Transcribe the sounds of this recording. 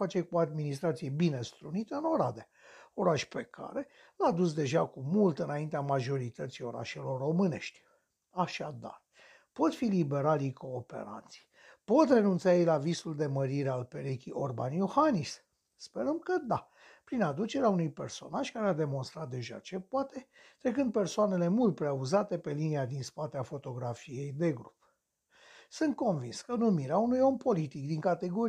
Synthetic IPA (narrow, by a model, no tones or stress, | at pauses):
fat͡ʃe̞kuoad̪minis̬t̪ɾat̪sije̞bine̞st̪ɾunit̪əɨno̞ɾad̪e | o̞ɾaʃpe̞kʰa̰ɾe̞ | lad̪us̬d̪e̞ʒakumult̪ɨnaint̪eamaʒo̞ɾit̪ət̪sijo̞ɾa̰ʃe̞lo̞rːo̞mɨne̞̰ʃt̪ʲ | aʃad̪a̰r | po̞t̪filibe̞ɾalijko̞ːpe̞̰ɾa̰nt̪si̥j | po̞t̪re̞nunt̪sajejlavisuld̪e̞məɾiɾealpe̞ɾekʲiʔo̞rbanjohanis | spe̞ɾəmkəd̪a | pɾinad̪ut͡ʃe̞ɾeaunujpe̞rso̞̰naʒkaɾead̪e̞mo̞nst̪ɾat̪̚d̪e̞ʒa̰t͡ʃe̞poat̪e̞t̪ɾe̞kɨnd̪̚pe̞rsoane̞le̞mult̪̚pɾeauzat̪e̞pe̞liniad̪inspat̪eafo̞t̪o̞ɡɾafije̞jd̪e̞ɡɾup | sɨnt̪̚ko̞nvinskənumiɾeaunujo̞mpo̞lit̪ik̚d̪iŋkat̪e̞ɡo̞ɾ